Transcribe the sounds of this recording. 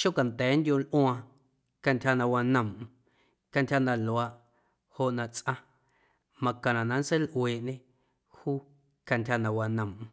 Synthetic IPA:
ʃo˦ka˨nt̪ɛː˨˦nd̪ʲjõ˧lʔw̃ã˧ | ka˧ntʲha˧nã˧wa˧nə̃˨mʔ | ka˧ntʲha˧nã˧˨lwa˨˧ʔ | ho˧˨ʔnã˧t͡sʔã˧ | mã˧kã˨nã˨nã˧n˦se˦lʔweː˨ʔɲẽ˦ | huː˦ | ka˧ntʲha˧nã˧wa˧nə̃˨m˧

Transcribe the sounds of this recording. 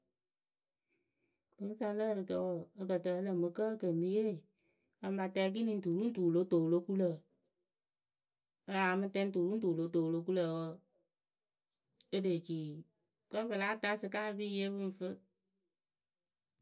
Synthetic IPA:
b̥ɨ˨ŋ˦sa˧lə˦˨ɾɨ˧kə˧˦wə˨ə˧kə˨tə˧˦lə˨mɨ˧kə˦kə˨m˨bi˧˦je˦˨ | a˨m˦ba˨tɛ˧˦k̬i˦nĩ˨˦ntu˨ɾu˦n̩˦tu˨lo˦toː˨lo˦ku˦lə˨ | ə˦aː˨mɨ˦tɛ˦n˦tu˨ɾu˦tuː˨lo˨˦toː˨lo˧˦ku˦lə˨wə˦ | ə˦de˨t͡ʃiː˨ | kə˦bə˨la˦ta˦sɨ˧ka˦˧bi˦˨je˦bɨ˦n˨fɨ˦

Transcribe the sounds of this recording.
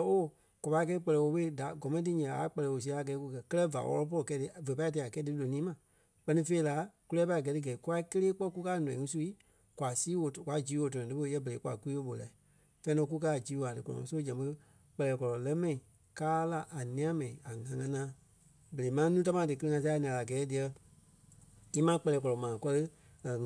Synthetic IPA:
o˦˨ | kʷɔ˨pa˧˦˨kɛː˧i˦˧k͡pɜ˧lɛː˨o˧ɓe˦˨da˨˦ɡɔ˨mɛ̃˦ĩ˦tɨ˧ɲɛ̃˨a̰˨˦k͡pɛ˧lɛː˨wo˨s̬i˧˦a˧˦a˨ɡɛ˨˦ku˧kɜ˧kɜ˦lɛ˦va̰˨wʔɔ̰˧lɔ˦˧p̬ɔ˦ɔ˨kɛ˧˦dɨ˧˨və˨pa˧˦t̬i˧˨a˨kɛː˦dɨ˧˦lo˨nĩː˦mã˨ | k͡pɜ˧nĩ˧fe˧i˦˧la˨˦ku˦lɛː˦pa˧˦˨ɡɜ˨˧tɨ˧ɡɛ˨i˨˦ku˦a˧˦i˦kə˦leː˦k͡pɔ˦ku˦kaː˦˨nɔ̃˨ĩ˨ŋũ˦su˧i˦ | kwa˨siː˦o˨kwa˨˦d͡ʒiː˨˦wo˨˧t̬ɔ˨ɔ̃˨dɨ˨˦ɓo˧˦jɛ˦bə˨ɾe˨˦kwa̰˨ku˦iː˦wo˧˦ɓo˨la̰˨ | fɛ̃˧˦nɔ̃˧˦k̬u˦kaː˦˨d͡ʒiː˨˦wo˨a˨dɨ˨kɔ˨ɔ̰̃˨ã̰˨so˦d͡ʒɛ̃˨ɓɨ˧ | k͡pɛ˧lɛː˨kɔ˨lɔ˨lɜ˦mɛ̃˨ĩ˨ | kaː˦la˧ʔa˨nĩ˧ã˦mɛ̃˨ĩ˨a˨ŋã˨˦ŋã˧˦nãː˧˦ | bə˨le˨˦mãː˨˦nũː˦t̬a˦mãː˧˦dɨ˨k̬ə˧lɨ˧ŋã˧s̬a˧˦˧nĩ˨ã˨la˨ɡɛː˨˦di˨˧ɛ˧ | i˦mã˨˦k͡pɛ˧lɛː˨kɔ˨lɔ˨mãː˨kɔ˦lɨ˦˨

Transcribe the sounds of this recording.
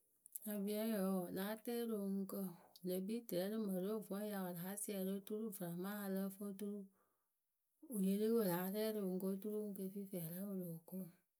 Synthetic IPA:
na˨bi˦a˦jɔ˨wɔ˨la˨a˦t̪e˦lo˨ŋu˦kə˦˨le˨bi˦t̪ɾɛ˨˦lə˦mə˨lo˦˨vɔ̃˦ja˨wɔ˨la˨a˦si˦a˨lo˦t̪u˦ɾu˦vɾa˨mã˦a˨lə˦fo˦t̪u˦ɾu˦ | o˨ɲe˨le˦wo˨la˨˦ɾɛ˦ɾe˨ŋ̩˨˦ko˦t̪u˦ɾu˦ŋ̩˦kə˦˨fi˦fi˨a˨la˦wo˦lo˨o˨ko˦˨

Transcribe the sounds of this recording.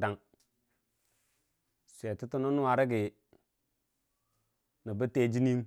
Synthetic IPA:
da˦ŋ | sʷe˨ti˦tu˦no˦nu˦wa˨ɾe˦ɡi˨ | ni˨bə˦te˦d͡ʒi˦ni˦m

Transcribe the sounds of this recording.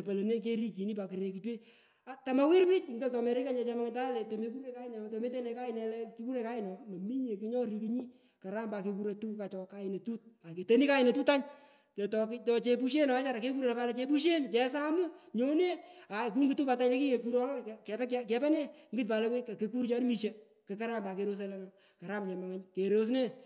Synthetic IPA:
e˨pa˨le˨ne˦k̬e˦ɾi˦ki˨ni˦pa˨kɪ˨ɾe˨ki˨twe˦ | a˨ta˨ma˨wɪ˦ɾpi˦t͡ʃŋɪ˦dɔ˦tɔ˨me˨ɾɪ˦ka˦ɲɛ˨t͡ʃa˧ma˦ŋ˨ta˦lɛ˨to˨me˦ku˦ɾe˦˨ka˦ɪ˦nɛ˨to˨me˦te˦nɛ˨ka˦ɪ˨nɛ˨lɛ˦ki˦ku˦ɾe˨ka˦ɪ˦nɔ˨mɐ˨mi˦ɲe˨kɪ˦ɲɔ˦ɾi˨ki˦ɲi˦ | ka˨ɾa˦mba˨ke˧ku˦ɾe˨tu˦ka˨t͡ʃɔ˨ka˦ɪ˨ne˨tu˦t̚a˨ke˨te˦ni˦ka˦ɪ˨ne˨tuː˦ta˦ɲ | te˨tɔ˨ktɔ˨t͡ʃe˧pu˦ʃ̬e˦nɔ˨a˦t͡ʃa˦ɾa˨ke˦k̬u˦ɾe˨na˨pa˦lɛ˦t͡ʃe˧p̬u˦ʃ̬e˦nt͡ʃɛ˦s̬a˦mu˦ɲo˦ne˦a˨k̬u˦ŋɡɪ˨tu˦pa˨˧ta˦ɲle˦ki˦ke˨ku˦ɾɔ˦lkkɛ˦kkɛ˨pɛ˦ne˦ŋɡɨt̚pa˨le˦ke˦ka˨ke˧ku˦ɾt͡ʃa˦n˦mi˨ʃe˦ | ke˨ka˦ɾa˦mba˨ke˨ɾo˦s̬e˧lɛ˦ŋa | ka˨ɾa˦mt͡ʃɛ˨ma˨ŋe˦ɲke˨ɾo˦s̬ne˦

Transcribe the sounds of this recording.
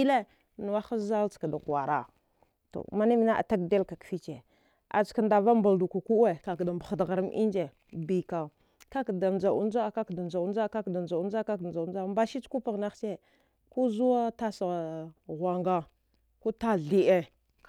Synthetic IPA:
i˦le˦ | nu˨wa˦xa˦za˦lt͡ska˨da˨ka˨ɾa˨ | to̰˨ma˦ni˦mi˨na˦ʔa̰˨ta˦k̚de˦lka˨kfi˦t͡ʃe˨ | a̰˨t͡ʃka˨nda˨va˦mba˨ldu˨ku˨ku˦e˨ka˨kda˨mba˨xa˨dɣa˨ɾa˦mʔi˦nd͡ʒe˨ | bi˨ka˨ | ka˦kda˨nd͡ʒa˨u˦n˦d͡ʒa˦˨ka˦kda˨nd͡ʒa˨u˦nd͡ʒa˦ka˦kda˨d͡ʒa˨˦nd͡ʒa˦ka˦kd͡ʒa˨u˦nd͡ʒa˦mba˦ʃi˦t͡ʃku˦pa˨ɣna˦xt͡ʃe˦ | ku˦zu˦wa˦ta˦sa˨ɣʷa˨ŋɡa˦ | ku˦ta˦ɮi˨ʔe˦

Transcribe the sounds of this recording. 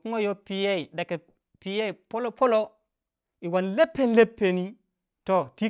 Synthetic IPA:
ku˦ŋo˦jo˦pi˨je˦i˨da˨ke˨ | pi˨je˦i˨po˦lo˦pʰo˦lo˦ | i˨wa˨nle˦pːe˦nle˦pːe˨ni˦ | to˨ti˦

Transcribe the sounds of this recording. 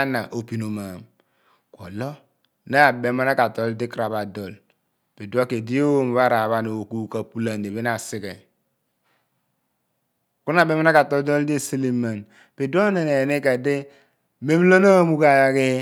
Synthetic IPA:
na˨ʔo˨pi˨no˨ma˨m | ko̰˨lɔ˦ | na˦˨be˦ma˦na˦ka˨tɔ˨˦ldi˦kɾa˨ba˨dɔ˨l | pe˨dwa˦ke˨di˦o˦˨m˨βa˦˨ɾa˨βa˦no˨ku˦˨ka˨pu˦la˨nde˨βe˦na˨si˦kɛ˨ | ku˦n˦a˨be˦ma˦na˦ka˨to˦do˦ldi˦˨si˦li˦ma˨n | pe˨du˦a˦ne˨ne˨ne˦ka˨de˦ | me˦m˦lo˦na˦mu˦ka˨ja˨ke˦

